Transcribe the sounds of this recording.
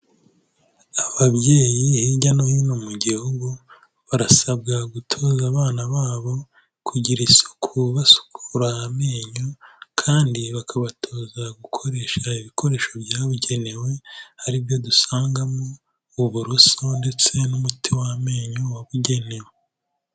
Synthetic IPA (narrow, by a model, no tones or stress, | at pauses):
aβaβje̞ːjihiɟanojinomuɟihuɡu | βaɾasabɡaɡutʰo̞ːzaβaːnaβaːβo̞ | kʰuɟiɾisu̥kʰuβasu̥kʰuɾahame̞ːɲokʰaːndiβakʰaβatʰo̞ːzaɡukʰo̞ɾe̞ːʃaiβikʰo̞ɾe̞ːʃobjaːβuɟe̞ne̞we̞haɾibjo̞dusaːŋɡamoː | βuɾuso̞nde̞t͡se̞numutʰiwahme̞ːɲowaβuɟe̞ne̞we